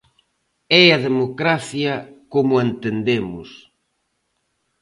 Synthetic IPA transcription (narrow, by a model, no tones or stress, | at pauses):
ɛɐðemokɾaθjɐkomʊent̪end̪emʊ̰s